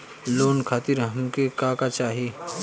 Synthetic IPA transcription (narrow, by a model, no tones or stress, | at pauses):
loːnkʰaːt̪iɾɦɐmkekaːkat͡ʃaːɦi